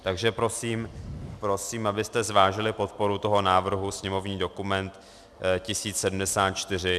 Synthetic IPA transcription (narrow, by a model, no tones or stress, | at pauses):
t̪aɡʒɛpɾo̞siːmpɾo̞siːmʔabɪst̪ɛzvaːʒɪlɪpo̞t̪̚po̞ɾut̪o̞ɦo̞naːvr̩ɦusɲɛmo̞vɲiːdo̞kumɛnt̪ | cɪsiːt͡ssɛdm̩dɛsaːt̪̚t͡ʃt̪ɪr̝ɪ